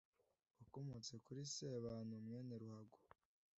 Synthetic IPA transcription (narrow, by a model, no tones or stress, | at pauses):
akomut͡se̞kuɾiseβanomŋeːneɾuhaɡo̥